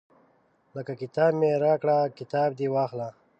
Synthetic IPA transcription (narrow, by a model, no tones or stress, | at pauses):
ləkakɪt̪ɑːbmeɾaːkɽakɪt̪aːb̚d̪iwɑːxla